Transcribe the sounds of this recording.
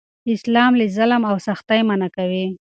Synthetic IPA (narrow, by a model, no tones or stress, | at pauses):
ɪslɑmlizalmawsaxt̪ajmanakawi